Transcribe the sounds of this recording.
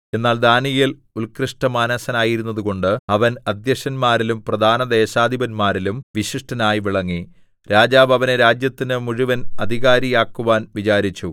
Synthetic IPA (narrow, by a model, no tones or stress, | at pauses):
e̞nːaːld̪aːnijil | ulkriʂʈɐmaːnɐsɐnaːjiɾunːɐðuɣo̞ɳɖɨɐʋɐnɐd̪jɐɕɐnmaːɾilumprɐd̪ʱaːnɐd̪e̞ːɕaːd̪ʱibɐnmaːɾilumʋiɕiʂʈɐnaːjʋiɭɐŋːi | ɾaːd͡ʑaːbɐʋɐneɾaːd͡ʑjɐt̪ːinɨmuɻiʋɐnɐd̪ʱiɣaːɾijaːkːuʋaːnʋit͡ɕaːɾit͡ɕːu